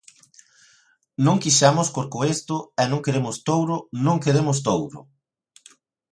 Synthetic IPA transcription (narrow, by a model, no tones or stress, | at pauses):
nõŋkiʃamʊskoɾkoest̪ʊɛnõŋkeɾemʊst̪owɾʊnõŋkeɾemʊst̪owɾʊ̰